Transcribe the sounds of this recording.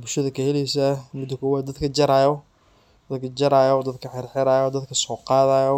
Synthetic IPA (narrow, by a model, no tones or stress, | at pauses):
bʊʃɐðɐkʰɐhɛlɛjsɐmʊd̪ɐkʰɔːwaːd̪ɐd̪kʰɐd͡ʒɐɾajɔ | d̪ɐd̪kʰɐd͡ʒɐɾajɔd̪ɐd̪kʰɐħɪɾħɪɾaːjɔd̪ɐd̪kʰɐsɔːqɑːðaːjɔ